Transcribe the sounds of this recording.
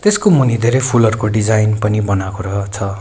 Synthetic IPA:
t̪eskomunid̪ʱeɾʌjpʰulʌɾukoɖid͡zajnpʌnibʌnakoɾʌt͡sʰʌ

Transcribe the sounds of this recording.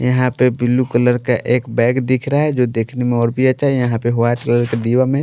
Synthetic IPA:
jəɦãpebilːukələɾkeʔeːkbɛːɡd̪ikʰɾaɦɛd͡ʒod̪eːkʰnemẽɔːɾbʱiat͡ʃaːijəɦãpeɦoaʈkələɾked̪iwamẽ

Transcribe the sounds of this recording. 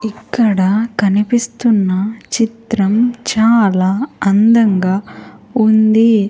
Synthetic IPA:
ikːɐɽɐkɐnipist̪unːɐt͡ʃit̪ɾɐmt͡ʃaːlaːɐnd̪ɐŋɡaːund̪i

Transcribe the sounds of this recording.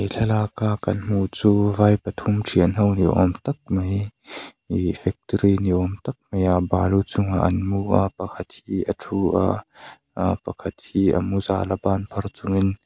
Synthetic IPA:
ejɬʰɛlakakɐnm̥ut͡suːvajpɐt̪ʰumʈʰiənɦɐwniʔɔ̰mt̪ɐk̚mɐj | ifɛk̚t̪ɾiniʔɔmt̪ɐk̚mɐjabalut͡sʊŋaʔɐnmuʔapɐkʰɐt̪̚hiɐtʰuʔa̰ | pɐkʰɐt̪̚hiːɐ̰muza̰labanpʰɐrt͡sʊŋin

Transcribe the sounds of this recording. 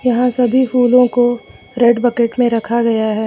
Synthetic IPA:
jɐɦãsɐbʱifuːlõko | ɾeɖbɐkeʈmẽɾɐkʰaɡɐjaɦɛː

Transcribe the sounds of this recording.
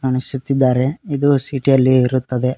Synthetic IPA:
ɐnisut̪ːid̪ːaːɾe̞id̪usiʈijɐlːiːɾut̪ːɐd̪e̞

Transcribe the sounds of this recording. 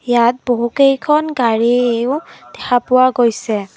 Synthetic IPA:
jat̚boɦukejkʰɔnɡaɹieʊd̥ɛkʰapʊwaɡojsɛ

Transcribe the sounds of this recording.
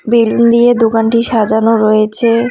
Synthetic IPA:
bilund̪ied̪okanʈiʃad͡ʑanoɾojet͡ɕʰe

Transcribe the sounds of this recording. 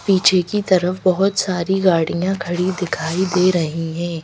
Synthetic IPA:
piːt͡ʃʰekit̪ɐɾəfbɐɦʊt̪saːɾiɡaːɽijãkʰɐɽid̪ɪkʰaːid̪eːɾɐɦiɦɛ̃ː

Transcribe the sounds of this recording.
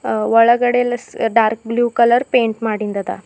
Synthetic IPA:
ʋəɭəɡəɽelsɖaɾk̚bljuːkələɾpeɳʈmaɽind̪at̪a̰

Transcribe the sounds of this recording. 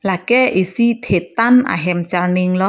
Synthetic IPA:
lakɛʔisit̪ʰet̪ana̰ɦɛmt͡ʃarnɪŋlɔ

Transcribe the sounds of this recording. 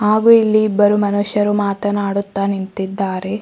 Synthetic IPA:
haːɡuilːiːbːɐɾumɐnuʃjɐɾumaːt̪ɐnaːɽut̪ːanint̪id̪ːaːɾe̞

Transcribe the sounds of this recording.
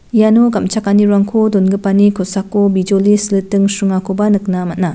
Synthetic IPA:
janoɡamt͡ʃakaniɾaŋkʰodonɡɯpanikʰosakːobid͡ʒolislɯtɯŋsuŋakʰobanɯk̚namat̚na

